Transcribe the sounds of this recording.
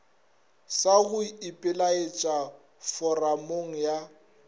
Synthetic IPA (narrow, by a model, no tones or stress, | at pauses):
saɣʊɪpʼɪlaet͡ʃʼa | fɔramoŋ̩ja